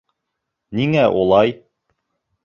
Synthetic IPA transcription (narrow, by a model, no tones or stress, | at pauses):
niŋæʔulˠɑj